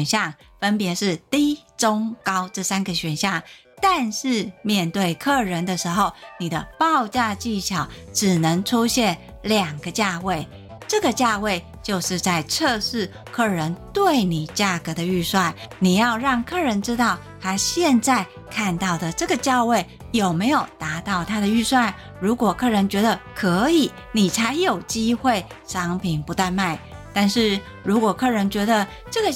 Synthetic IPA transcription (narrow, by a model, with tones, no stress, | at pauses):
nɕjɑ˥˨ŋ | fə˦˥npjɛ˨˧˥ʂɻ̩˥˩t̪i˥ʈ͡ʂʊ˥ŋkɑ˥ʊʈ͡ʂɤ˥˩sa˥nɡə˨ɕɥɛ˨˩nɕjɑ˥˩ŋ | t̪a˥˧nʂɻ̩˥˧mjɛ˥˧nt̪we˥˩ɪkʰɤ˥˩ɻə˧˦nd̪ə˨ʂɻ̩˧˥xo˥˨˩ʊni˨˩d̪ə˦pɑ˥˧ʊt͡ɕja˥˧t͡ɕi˥˩ɕjɑ˨˩˦ʊʈ͡ʂɻ̩˨˩nə˧˦ŋʈ͡ʂʰu˥ɕjɛ˥˩n | ljɑ˨˩ŋɡə˦t͡ɕja˥˧we˥˩ɪ | ʈ͡ʂɤ˥˩ɡə˩t͡ɕja˥˧we˥˧ɪ | t͡ɕjo˥˧ʊʂɻ̩˥˧t͡sa˥˩ɪʈ͡ʂʰɤ˥˧ʂɻ̩˥˧ | kʰɤ˥˩ɻə˧˦nt̪we˥˩ɪni˨˩t͡ɕja˥˩kɤ˧˥d̪ə˨y˥˧swa˥˩nni˨˩jɑ˥˧ʊɻɑ˥˩ŋkʰɤ˥˩ɻə˧˥nʈ͡ʂɻ̩˥t̪ɑ˥˩ʊ | t̪ʰa˥ɕjɛ˥˧nt͡sa˥˩ɪ | kʰa˥˧nt̪ɑ˥˩ʊd̪ə˩ʈ͡ʂɤ˥˩ɡə˩t͡ɕjɑ˥˧ʊwe˥˩ɪ | jo˨˩ʊme˧˥ɪjo˨˩ʊt̪a˧˥t̪ɑ˥˩ʊt̪ʰa˥d̪ə˨y˥˧swa˥˩n | ɻu˧˥kwɔ˨˩kʰɤ˥˩ɻə˧˦˥nt͡ɕɥɛ˧˥d̪ə˨kʰɤ˧˦˥i˨˩ | ni˨˩t͡sʰa˧˥ɪjo˨˩ʊt͡ɕi˥xwe˥˩ɪ | ʂɑ˧˥ŋpʰi˨˩npu˧˥t̪a˥˧nma˥˩ɪt̪a˥˧nʂɻ̩˥˩ | ɻu˧˥kwɔ˨˩kʰɤ˥˩ɻə˧˥nt͡ɕɥɛ˧˥d̪ə˨ | ʈ͡ʂɤ˥˩ɡə˨